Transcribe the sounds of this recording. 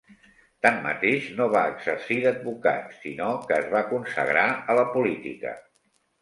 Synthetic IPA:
t̪amːə̰t̪eʃnoβ̞aəɡzəɾsiðəd̪̚buka̰t̪sḭnokəːzβakunsə̰ɣɾaələpulit̪ḭkə̰

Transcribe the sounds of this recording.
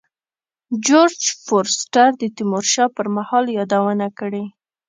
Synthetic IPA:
d͡ʒoɾd͡ʒfoɾsʈaɾd̪ət̪ɪmoɾʃɑpəɾmahɑljɑd̪awənakəɽe

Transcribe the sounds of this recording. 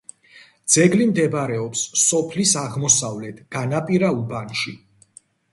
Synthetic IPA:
d̪z̥ɛɡlimd̪ɛbɾɛɔpsːɔpʰlisaʁmɔsavlɛt̪ʰɡ̥anapʼiɾaubanʃḭ

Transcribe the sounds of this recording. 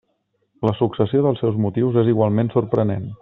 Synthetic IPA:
ləsuksəsioðəlˠsɛwzmut̪iwzeziɣwalˠmensuɾpɾənḛn

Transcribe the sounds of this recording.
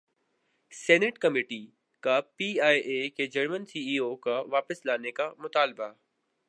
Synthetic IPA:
sɛːnɪʈkɐmeːʈi | kapiːaːiʔeked͡ʒɐɾmənsiːiːokaʋaːpəslaːnekamʊt̪aːlba

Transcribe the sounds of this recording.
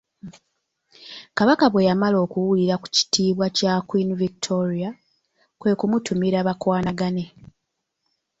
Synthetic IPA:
kaβakaβwe̞jamalo̞ːkuwuliɾaku̥ci̥tiːβwacakwiniviktʰo̞ɾia | kwe̞ːkumutumiɾaβakwaːnaɡane̞

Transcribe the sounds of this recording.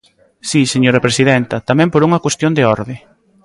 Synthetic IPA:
siseɲoɾɐpɾesiðɛnt̪ɐt̪amɛ̃mpoɾuŋɐkwest̪jond̪eɔɾðɪ

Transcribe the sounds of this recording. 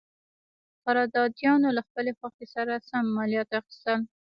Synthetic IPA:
faɾɑd̪ɑd̪jɑnolaxpəlexwaxesaɾasamːɑlijɑt̪ɪqt̪ɪ̥sɑl

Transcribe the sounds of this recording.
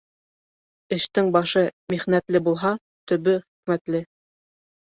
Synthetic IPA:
ɘ̆ʃt̪ɘŋbɑʃɤmiχnæt̪lɘbulˠɦɑ | t̪ɵ̆βɘχĭ̥kmæt̪lɘ

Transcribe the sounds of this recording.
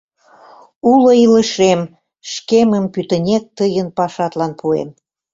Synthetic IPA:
uloilə̆ʃem | ʃkeməmpyt̪ə̆nʲek̚t̪əjənpɑʃɑt̪lɑnpʰuḛm

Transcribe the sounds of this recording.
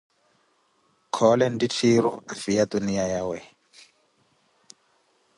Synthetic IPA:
kʰɔlɛnditʰiɾṵafijatunijajawɛ

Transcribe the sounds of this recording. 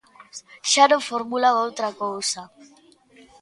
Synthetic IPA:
ʃanofoɾmulawowt̪ɾakowsa

